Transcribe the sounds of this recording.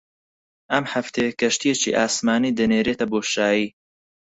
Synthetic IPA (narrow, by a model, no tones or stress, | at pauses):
ʔɐmhɐft̪ʰekɐʃt̪ijet͡ʃḭːʔaːsmaːniːd̪ɨneːɾeːt̪ɐboːʃaːjiː